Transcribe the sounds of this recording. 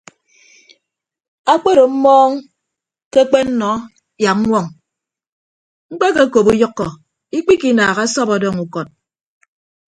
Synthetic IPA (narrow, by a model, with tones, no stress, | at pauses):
a˦k͡pe˦ɾo˨m̩˦mɔː˦ŋ | ke˦k͡pe˦n̩˦nɔ˨˦ | ja˨˦ŋʷɔ˦ŋ | ŋ͡m̩˦k͡pe˦ke˦ko˨bu˦jɔ˦kːɔ˨ | i˦k͡pi˦ki˨˦naː˨ɣa˦sɔ˦pɔ˨dɔː˦˨ŋu˨kɔ˨t̚